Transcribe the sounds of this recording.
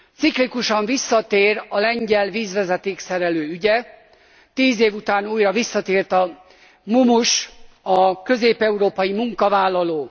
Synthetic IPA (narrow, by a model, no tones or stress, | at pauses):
t̪siklikuʃɒɱvisːɒt̪eːrɒlɛɲɟɛlviːzʋɛzɛt̪eːksɛɾɛløːyɟɛ | t̪iːzeːvut̪aːnuːjrɒvisːɒt̪eːrt̪ɒ | mumuʃɒkø̞zeːpɛuɾoːpɒjimuŋkɒvaːlːɒloː